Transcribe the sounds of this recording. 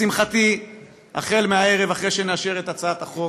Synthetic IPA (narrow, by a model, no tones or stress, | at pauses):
imχat̪i | a̰χe̞lmeae̞ʁe̞vaχʁeʃeneaʃe̞ʁet̪at͡saat̪aχo